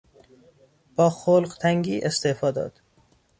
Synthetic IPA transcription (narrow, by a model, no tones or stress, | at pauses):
b̥ɒːxolɢt̪ʰæŋɟiːʔest̪efɒːd̪ɒ̰ːd̪̥